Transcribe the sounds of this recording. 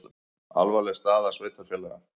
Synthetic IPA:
a̰lvalɛst̪aːðasveːjt̪ʰaɾfjɛlɛɣa̰

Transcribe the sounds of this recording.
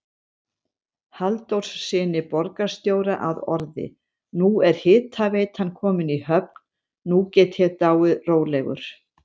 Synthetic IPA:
halt̪owr̥ssɪːnɪpɔɾkḁst̪joːwɾaʔaðɔɾðɪ̰ | nuɛɾ̥hɪːt̪ʰaveːjt̪hanːkʰɔːmɪnihœp̚n | nucɛːt̪çɛɾt̪aːwʏðroːwlɛɣʏ̰ɾ̥

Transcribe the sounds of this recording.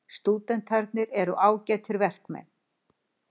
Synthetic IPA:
st̪uːt̪ɛnt̪haɾt̪nɪɾɛɾʏʔaːwcɛːt̪ʰɪɾvɛr̥kmɛ̰nː

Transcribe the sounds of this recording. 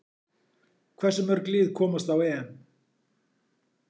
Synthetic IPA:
kʰvɛr̥sʏmœɾkliːðkʰɔːmast̪awɛɛn

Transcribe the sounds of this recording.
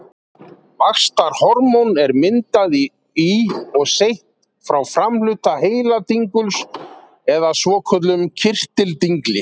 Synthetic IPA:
vaxst̪aɾ̥hɔɾmɔwnɛɾmɪnt̪að | iɔɣsejht̪ | fɾawfɾamlʏt̪aheːjlat̪iŋkʏls | ɛðasvɔːkʰœt̪lʏmcʰɪr̥t̪ɪlt̪iŋklɪ

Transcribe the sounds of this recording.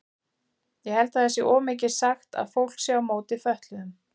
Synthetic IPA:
jɛhɛlt̪aðɛsjɛʔɔːmɪːcɪɾ̥saxt̪a̰ðfowl̥ksjɛawmoːwt̪ɪfœht̪lʏðʏm

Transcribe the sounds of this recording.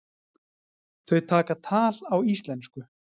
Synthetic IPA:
θœɥt̪ʰaːkat̪ʰaːlawist̪lɛnskʏ

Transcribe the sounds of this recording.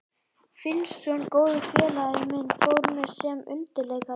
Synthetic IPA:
fɪnsːɔnkoːwðʏfɛːlaɪmɛnfowɾmɛsɛːmʏ̰nt̪ɪɾlɛɣa

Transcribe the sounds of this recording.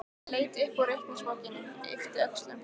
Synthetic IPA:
leːjt̪ɪhkaɾœht̪ninsvɔːcɪnʏmḛft̪ɪœkst̪lʏm

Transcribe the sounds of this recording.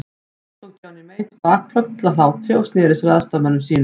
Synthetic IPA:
t̪ɔŋc̪ʰaːwnɪmeːjt̪paːkkʰlœk̪ɪt̪lalaːwt̪ʰɾjowst̪nɪːɾɪsɾaːðst̪amanːʏmsiːn

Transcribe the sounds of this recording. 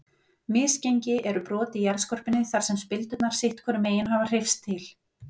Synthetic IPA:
mɪːsceɲcɪʔɛɾʏpɾɔːt̪ɪjɛɾðskɔr̥pɪnːɪθaɾ̥sɛmspɪlt̪ʏt̪naɾ̥sɪht̪kʰvɛɾʏmeːjɪnɦavar̥ɪjfst̪ʰːɪl

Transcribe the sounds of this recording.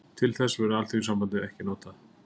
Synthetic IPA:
t̪ʰɪlθɛsːavɛɾʏalt̪ʰiisampant̪ɪðɛhcɪnɔːt̪a

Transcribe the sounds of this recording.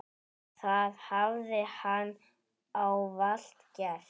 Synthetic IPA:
θaðhavðɪhanː | awval̥t̪cɛθ

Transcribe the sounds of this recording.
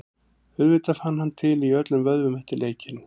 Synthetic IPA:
ʏðvɪt̪afanːhanːt̪ʰɪliœt̪lʏmvœðvʏmɛht̪ɪleːjcɪn

